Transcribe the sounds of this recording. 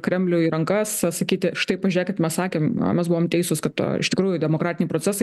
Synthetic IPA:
kɾʲɛmʲlʲʊiːɾɐŋkɐssɐkʲiːt̪ʲɪʃt̪ɐɪpɐʒʲʊɾʲɛːkʲɐt̪mʲɛssɑːkʲeːmɐ̰mʲɛsbuʋoːmt̪ʲɛɪsʊskɐt̪to̰ɪ̰ʃt̪ʲɪkɾuːjʊd̪ʲɛmoːkɾɑːt̪ʲɪnʲɛɪpɾot͡sʲɛsɐɪ

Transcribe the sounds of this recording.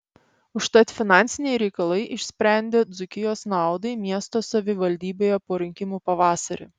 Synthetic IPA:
ʊʃt̪ɐt̪ʲfʲɪnɑˑnʲt̪sʲɪnʲɛɪɾʲɛɪkɐlˠɐɪʔɪʃʲsʲpʲɾʲæˑnʲd̪ʲeːd̪zʊkʲɪjoːsnɑˑʊd̪ɐɪmʲiɛst̪oːsɐʋʲɪʋɐlʲd̪ʲiːbʲoːjɛpoːɾʲɪŋʲkʲɪmuːpɐʋɑːsɐɾʲḛː

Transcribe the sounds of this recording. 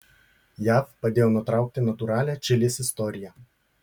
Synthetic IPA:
jæːfpɐd̪ʲeːjoːnʊt̪ɾɑˑʊk̚t̪ʲɪnɐt̪uɾɑːlʲæːt͡ʃʲɪlʲɪsʲɪst̪ɔɾʲɪjæ

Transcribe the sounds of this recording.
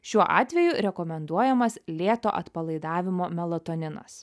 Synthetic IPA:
ʃʲuɔʔɑ̰ːt̪ʲʋʲɛjʊɾʲɛkɔmʲɛnd̪uɔjɛmɐslʲeːt̪o̰ːʔɐt̪pɐlˠɐɪd̪ɑːʋʲɪmoːmʲɛlˠɐt̪ɔːnʲɪnɐ̰s

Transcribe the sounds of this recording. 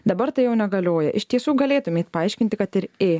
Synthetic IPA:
d̪ɐbɐɾt̪ɐɪjɛʊnʲɛɡɐlʲoːjɛʔɪʃʲt̪ʲiɛsuːɡɐlʲeːt̪ʊmʲeːt̪pɐɐɪʃʲkʲɪnʲt̪ʲɪkɐt̪ɪɾeː

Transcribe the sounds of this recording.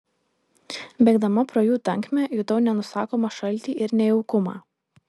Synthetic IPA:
bʲɛɡd̪ɐmɐpɾoːjuːt̪ɐŋʲkmʲɛjʊt̪ɐʊnʲɛnʊsɑːkoːmɐʃɐlʲt̪ʲiːʔɪɾnʲɛɛʊkʊmɑ̰ː

